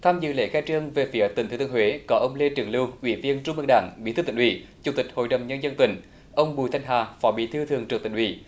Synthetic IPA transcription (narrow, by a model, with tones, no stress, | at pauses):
t̪ʰaː˧mzɨ̰˧˨lḛ˧˥xɛː˧˥t͡ɕɨ˧əŋve˨˩fi˨˦ə˦t̪i˨˩ŋt̪ʰːt̪ɨ˧ə˧ŋɦwe˨˦kɔ˨˦ʔə˧wŋ͡mle˧t͡ɕɨ˨˩əŋlɨ˧wʔwḭ˧˩˦vi˧ənt͡ɕʊ˧ŋ͡mmɨ˧ŋ̚ɗa̰ː˧˩ŋɓi˧˨˥t̪ɨ˧t̪i˧˩ʔwḭ˧˩˦t͡ɕu˨˧˩ŋ͡mt̪ï˨˩k̟̚ho̰˧˨jɗə˨˩wŋ͡mɲə˧nzə˧nt̪ï˧˩˦ŋ̟ | ʔə˧wŋ͡mɓu˨˩t̪ʰjŋɦaː˨˩fɔ˨˦ɓḭ˨˦t̪ʰɨ˧t̪ʰɨ˨˩əŋtt͡ɕɨ˨˩k̚t̪ï˧˩ŋʔwḭ˧˩˦